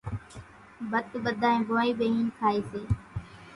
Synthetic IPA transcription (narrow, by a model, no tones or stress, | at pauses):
bət̪ɓəd̪ʱaːẽːboːiːbeːɦiːnkʰaːeːseː